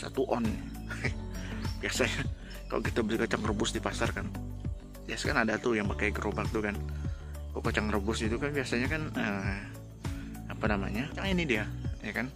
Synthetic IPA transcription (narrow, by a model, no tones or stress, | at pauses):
sa̰t̪uʔɔn | b̥iasaɲa | ka̰lo̰kit̪abəlikət͡ʃaŋrəbʊsdipasarkan | biasḁkanadat̪ujaŋpakajɡɾʔobak̚t̪ukan | kokət͡ʃaŋrəbʊsɡit̪ukanbiasaɲakanə | apanama̰ɲat͡ʃaŋinidiajakan